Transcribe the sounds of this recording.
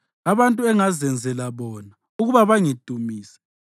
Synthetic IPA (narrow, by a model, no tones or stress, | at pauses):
aβantʼuɛŋazɛnd͡zʱɛlaβɔːna | uɣuβaβaŋid̥ʱumiːsɛ̥